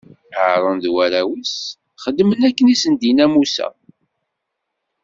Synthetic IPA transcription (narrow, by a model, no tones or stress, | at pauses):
əʕɾˤənðwæɾæwis | χəd̪ːmənækːənisənd̪inæmusæ̰